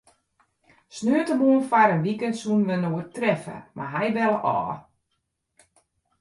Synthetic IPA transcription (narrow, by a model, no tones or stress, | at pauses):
snøətəmoənfaɾənʋikəntsunʋənoətrɛfə̰ma̰ɦɛjbɛləʔɔ̰ː